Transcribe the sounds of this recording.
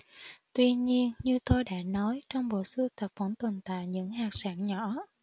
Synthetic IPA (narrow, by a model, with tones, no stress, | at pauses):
t̪wi˧ɲi˧ənɲɨ˧t̪o˧jɗa̰ː˧˥nɔ˨˦jt͡ɕɔ˧wŋ͡mɓo̰˧˨sɨ˧t̪ʰə˨˩p̚və˧˥nt̪wə˨˩nt̪a̰ː˧˨jɲɨ̰˧˥ŋhaː˨˩k̚saː˧˥nɲɔ˧˩˥